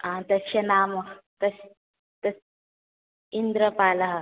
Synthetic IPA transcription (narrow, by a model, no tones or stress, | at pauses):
ãt̪ɐsɐnaːmɐkt̪ɐs | t̪ɐs | ind̪ɾəpaːlɐɦ